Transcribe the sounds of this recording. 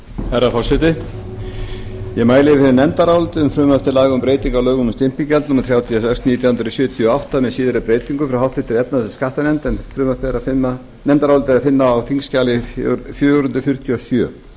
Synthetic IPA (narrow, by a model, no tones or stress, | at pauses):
hɛɾafɔlsɛt̪ɪ | jɛmaːjlɪɪfhɪnːnɛnt̪aɾawlt̪ɪʏmfɾʏːmaft̪ɪlaːɣʏmpɾeːjt̪iŋkawlœːɣʏnmst̪ɪm̥piŋcɛlnumaɾθɾjaːwt̪ʰiasɛkst̪niːt̪jawhʏnt̪ɾʏsjœːt̪ʰjɔawht̪amɛðsiːðɪɾɪpɾeːjt̪iŋkʏfɾawhɦawht̪ɪht̪ʰɪɾɛpnaðsskaht̪anɛnt̪ɛnfɾʏmat̪ɪɛɾafɪna | nɛnt̪aɾaɔlt̪ɪafɪnːaːwfiŋscaːlɪfjœːɾʏnt̪ʏ̥ɾfjʏr̥t̪ʰjɔsjœ̰ː